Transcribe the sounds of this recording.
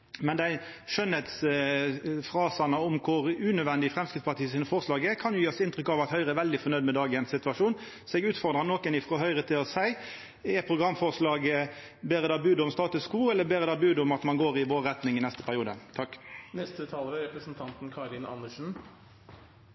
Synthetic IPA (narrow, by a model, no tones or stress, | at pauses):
mɛnd̪æɪʂœnhɛt̪s | fʁɑːsɑnəʊmkʰʊʁʉnœʋɛnd̪ɪəfʁɛmskʁɪtspɑt̪ʰiːəsiːnəfɔːʁʂlɑːɡəkʰɑnjʊjiːɔsɪnt̪ɾʏkːɑʋɑt̪hœʏʁəɛʋɛld̪ɪfɔɾnœʏd̪mɛd̪ɑːɡənsːɪt̪ʉʋɑʂuːn | sɔɛɡʉːt̪fɔʁd̪ʁɑnɔkɛnɪfʁɔɦœʏʁət̪ʰɪlɔsæɪ | ɛpʰʁʊɡʁɑmːfɔʁʂlɑːɡə | beːɾəd̪ɑːbʉːd̪ɔmst̪ɑːt̪ʉskuːɛlːəbeːʁəd̪ɑːbʉːd̪ʊmɑt̪mɑnɡoːʁɪʋoːʁɛt̪nɪŋɪnɛst̪ə̥pʰæʁɪuːd̪ə̰t̪ʰɑkːnɛst̪ət̪ʰɑːləʋɛɾɛpɾəsnt̪ʰɑnt̪n̩kʰɑɾɪnɑ̰nəʂn̩